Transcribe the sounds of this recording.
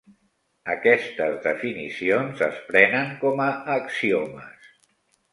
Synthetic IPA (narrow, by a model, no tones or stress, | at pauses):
əkɛst̪əzðəfinḭsionzə̰spɾɛnəŋkɔməːksiomə̰s